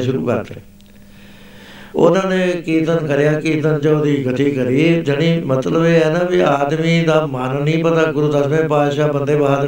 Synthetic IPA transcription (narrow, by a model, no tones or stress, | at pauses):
ʃʊɾṵːkə̰ɾt̪ḛː | ʊ̰nãːnẽːkiːt̪ənkəɾɪjaːkiːt̪ənd͡ʒood̪iːɡʱət̪iːkəɾiːed͡ʒəɽ̃iːmət̪ləbeːɛːnãːʋiaːd̪miːd̪aːmaːnənĩːpət̪aːɡʊɾuːd̪asmẽːpaːd̪ʃaːbənd̪eːbaːd̪